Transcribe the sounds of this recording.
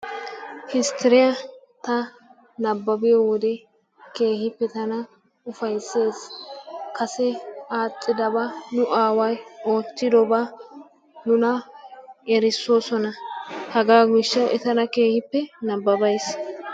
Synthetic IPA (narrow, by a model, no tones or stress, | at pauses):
hɪst̪ʰɛɾɪjɐ | t̪ɐ | nɐbːɐbɪjɔwɔd̪ɛ | ke̞ːhɪpːɛt̪ɐnɐ | ʊfɐjsːe̞ːskɐsɛaːt͡sʼːɪd̪ɐbanʊʔaːwɐjo̞ːtːɪd̪ɔba | nʊnɐ | ɛɾɪsːo̞ːsɔnɐhɐɡaːɡɪʃːɐwɛt̪ɐnɐke̞ːhɪpːɛnɐbːɐbɐjs